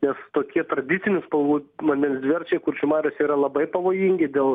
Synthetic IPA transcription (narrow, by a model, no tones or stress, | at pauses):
nʲɛst̪oːkʲiɛt̪ɾɐd̪ʲɪtsʲɪnʲɪspɐlˠʋuːmɐnʲɛnʲsd̪ʲʋʲɛrʲt͡ʃʲɛɪkʊrʃʲʊmɑːɾʲosiːɾɐlˠɐbɐɪpɐʋoːjiːŋʲɡʲɪd̪ʲeːlˠ